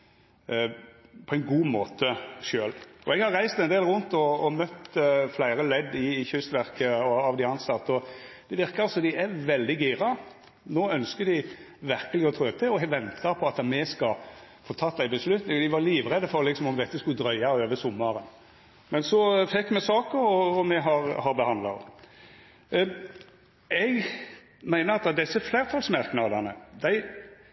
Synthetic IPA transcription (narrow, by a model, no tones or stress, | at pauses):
pʰɔæɪnɡuːmoːt̪əʃøːlɔɛɡhɑɾʁæɪst̪ɛnd̪eːlɾʊnt̪ɔɔmœt̪flæɪɾəlɛd̪ːɪːçʏst̪ʋæɾkəɔɑʋd̪ɪɑnsɑt̪ːɔd̪ɛʋɪɾkəɾsɔd̪ɪæʋɛld̪ɪɡiːɾɑ | noːœnskəd̪ɪ | ʋæɾkəlɪɔt̪ʰɾøːt̪ʰɪɔɛɡʋɛnt̪ʰəɾpʰɔɑt̪ɑmɛskɑ | fɔɾt̪ʰɑːt̪ːd̪æɪbəslʉt̪nɪŋd̪ɪʋɑliːʋʁɛd̪əfɔɾlɪksɔmɔmd̪ɛt̪ːəskʉd̪ɾœʏɑøːʋəsɔmːɑɾən | mɛnsɔfɛkːmɛsɑːkəɾɔɔmɛɦɑɾhɑɾbəhɑnd̪lɑ̰ | ɛɡ | mæɪnəɾɑt̪̚d̪ɛd̪ɛsːəflæːɾt̪ʰɑlsmɑɾknɑd̪ənəd̪æɪ